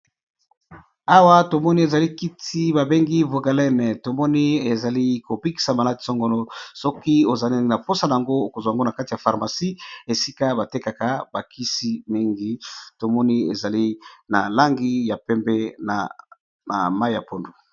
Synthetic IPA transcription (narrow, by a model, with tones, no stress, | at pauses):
a˦wa˦to˨mɔ˦ni˦e˨za˨li˦ki˦tʰi˦ba˨be˦ŋɡi˦vo˨ɡa˨lɛ˦nɛ˨to˨mɔ˦ni˦e˨za˨li˦ko˨bi˦ki̥˨sa˨ma˨la˦ti̥˨sɔ˦ŋɡo˨lo˦sɔ˦ki˦o˨za˨li˦na˨po˦sa˦na˨ja˨ŋɡo˦o˨ko˨zwa˨ŋɡo˦na˨ka˦ti˨ja˨fa˨ʁma˨si˦e˨si˦ka˦ba˨te˦ka˨ka˨ba˨kʰi˦si˦mi˦ŋɡi˦to˨mɔ˦ni˦e˨za˨li˦na˨la˦ŋɡi˦ja˨pɛ˦mbɛ˦na̰˨ | na̰˨ma˦i˦ja˨po˨ndu˨